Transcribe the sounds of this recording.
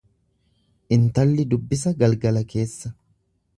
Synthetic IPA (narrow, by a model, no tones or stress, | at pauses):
ʔɪnt̪ɐlːɪd̪ʊbːɪs̬ɐɡɐlɡɐlɐke̞ːsːɐ